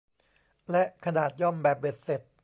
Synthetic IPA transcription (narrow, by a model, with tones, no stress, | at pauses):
lɛ˦˥ʔkʰa˧naː˨˩t̪̚jɔ˥˩mbɛː˨˩p̚de˨˩t̪̚se˨˩t̪̚